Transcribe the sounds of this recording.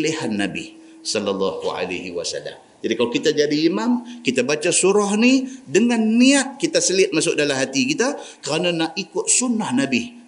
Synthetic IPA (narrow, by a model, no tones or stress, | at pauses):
lihanːabḭ | sɔlːalːɑhua̰la̰hiwa̰sa̰lːa̰m | d͡ʒadikalakit̪ad͡ʒadiːmamkit̪abat͡ʃasuɾɔhnidəŋanːiat̪̚kit̪asəlɪt̪̚masʊk̚dalamɦat̪ikit̪akəɾananaʔikʊt̪̚sunːahnabɪh